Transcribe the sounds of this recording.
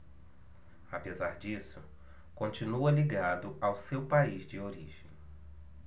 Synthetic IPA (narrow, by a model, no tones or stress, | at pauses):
apezaɾd͡ʒisʊ | kõnt͡ʃinuɐliɡad̪ʊawsewpaizd͡ʒɪoɾiʒḛ̃j̃